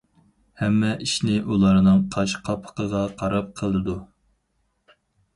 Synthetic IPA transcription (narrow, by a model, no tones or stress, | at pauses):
hɛmːɛʔiʃnɪʔulˠɑɾnɨŋqʰɑʃqʰɑpʰə̥qʰəʁɑqʰɑɾɑp̚qʰəlˠɨd̪u